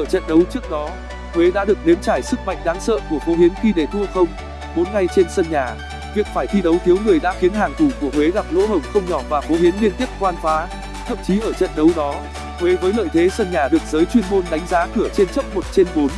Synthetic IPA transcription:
əː˧˩t͡ɕə̰˧˨nɗə˨˦wt͡ɕɨ˦˥ək̚ɗɔ˨˦ | hwe˨˦ɗa̰ː˧˥ɗɨ˨˩ək̚ne˨˦əmt͡ɕaː˧˩jsɨ˦˥k̚ma̰˧˨jŋ̟ɗaː˨˦ŋsə̰ː˧˨ku˧˩əfo˨˦hi˨˦nxi˧ɗe˧˩t̪ʰu˧əxə˧wŋ͡m | ɓo˨˦nŋa˧jt͡ɕe˧nsə˧nɲaː˨˩ | vi˨˩ək̚faː˧˩jt̪ʰi˧ɗə˨˦wt̪ʰi˨˦əwŋɨ˨˩əjɗa̰ː˧˥xi˨˦ənɦaː˨˩ŋt̪ʰu˧˩ku˧˩əhwe˨˦ɣa˨˩p̚lo̰˧˥ɦə˨˩wŋ͡mxə˧wŋ͡mɲɔ˧˩vaː˨˩fo˨˦hi˨˦ənli˧ənt̪i˦˥ək̚kwaː˧nfaː˨˦ | t̪ʰə̰˧˨mt͡ɕi˨˦ʔəː˧˩t͡ɕə̰˧˨nɗə˨˦wɗɔ˨˦ | hwe˨˦vəː˨˦jlə̰ː˧˨jt̪ʰe˨˦sə˧nɲaː˨˩ɗɨ˨˩ək̚zəː˨˦jt͡ɕwi˧ənmo˧nɗa˨˦jŋ̟zaː˨˦kɨ˧˩ət͡ɕe˧nt͡ɕə˦˥wk͡p̚mo˨˩t̚t͡ɕe˧nɓo˨˦n

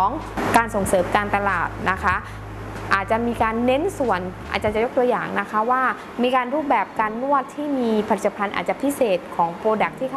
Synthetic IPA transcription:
ɔː˩˦ŋkaː˧nso˨˩ŋsɤː˩˦mkaː˧nt̪a˧laː˨˩t̪̚na˦˥kʰa˦˥ | ʔaː˨˩t̪̚t͡ɕa˨˩miː˧kaː˧nːe˦˥nsu˨˩ənʔa̰ː˨˩t̪̚t͡ɕa˨˩t͡ɕa˨˩jo˦˥kt̪u˧ɐjaː˨˩ŋna˦˥kʰa˦˥waː˥˩ | miː˧kaː˧nɾuː˥˩p̚bɛː˨˩p̚kaː˧nːu˥˩ət̪ʰːiː˥˩miː˧pʰa˧˩i˨˩t̪ːa˧pʰa˧nʔa̰ː˨˩t̪̚t͡ɕa˨pʰi˦˥seː˨˩t̪̚kʰɔː˩˦ŋpoː˧da˨˩k̚t̪ʰiː˥˩a˥

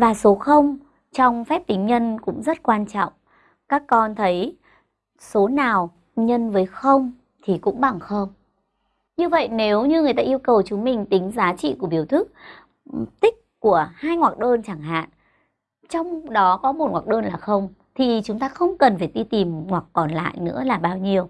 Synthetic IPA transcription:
vaː˨˩so˨˦xə˧wŋ͡m | t͡ɕɔ˧wŋ͡mfɛ˦˥p̚t̪ï˨˦ŋ̟ɲə˧nkʊ̰˧˥ŋ͡mzə˦˥t̚kwaː˧nt͡ɕɔ̰˧˨wŋ͡m | kaː˦˥kːɔ˧nt̪ʰə˨˦j | so˨˦naː˨˩w | ɲə˧nvəː˨˦jxə˧wŋ͡m | t̪ʰi˨˩kʊ̰˧˥ŋ͡mɓa˧˩ŋxə˧wŋ͡m | ɲɨ˧və̰˧˨jne˨˦wɲɨ˧ŋɨ˨˩əjt̪aː˧ʔi˧əwkə˨˩wt͡ɕʊ˨˦mï˨˩ŋ̟t̪ï˨˦ŋ̟zaː˨˦t͡ɕḭ˧˨ku˧˩əɓi˨˦əwt̪ʰɨ˦˥k̚ | t̪ï˦˥k̚ku˧˩əhaː˧jŋwaː˨˩k̚ɗəː˧nt͡ɕaː˧˩ŋɦa̰ː˧˨n | t͡ɕɔ˧wŋ͡mɗɔ˨˦kɔ˨˦mo˨˩t̚ŋwaː˨˩k̚ɗəː˧nlaː˨˩xə˧wŋ͡m | t̪ʰi˨˩t͡ɕʊ˨˦ŋ͡mt̪aː˧xə˧wŋ͡mkə˨˩nfaː˧˩ɗ̪i˧t̪i˨˩mhwa˨˩kːɔ˨˩nla̰ː˧˨jnɨ̰˧˥əlaː˨˩ɓaː˧wɲi˧əw

